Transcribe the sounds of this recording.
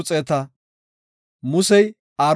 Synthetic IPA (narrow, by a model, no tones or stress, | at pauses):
t͡sʼeːt̪ɐ | mʊsɛj | aːɾ